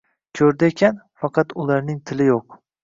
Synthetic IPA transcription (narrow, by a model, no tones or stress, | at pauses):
kʲʰɵɾd̪ɪekʲʰanfɑqʰɑt̪ʊlaɾnɪŋt̪ʰɪlɪjoq̚